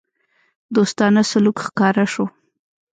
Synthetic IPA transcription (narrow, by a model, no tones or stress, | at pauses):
d̪ost̪ɑnasalukxkɑɾaʃo